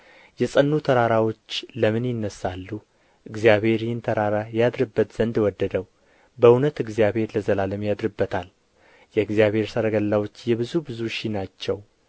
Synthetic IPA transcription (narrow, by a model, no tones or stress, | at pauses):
jɛsʼənːut̪ʰəɾaɾawo̞t͡ʃːləmɨnjɪnːəsːalːu | ʔɨɡzijaβhe̞ɾhɨnt̪ʰəɾaɾajad̪ɾɨbːət̪z̥ənd̪wɔd̪ːəd̪əw | bəunət̪ɨɡzijaβhe̞ɾləzəlaləmjad̪ɾɨbːət̪ʰal | jɛɨɡzijaβhe̞ɾsəɾəɡəlːawo̞t͡ʃːjɛβɨzubɨzuʃinat͡ʃːɛw